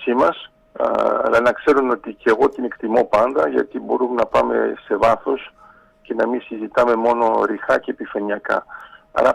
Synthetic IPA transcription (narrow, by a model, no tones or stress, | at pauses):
simɐs | ɐ̰lɐnɐkse̞ɾuno̞t̪ice̞ɣo̞t̪ine̞kt̪imo̞pɐnd̪ɐʝɐ̰t̪ibo̞ɾumnɐpɐme̞̰se̞vɐθo̞s | ce̞nɐmisizit̪ɐme̞mo̞no̞ɾixɐce̞pifɐɲiɐkɐ̰ɐ̰ɾɐ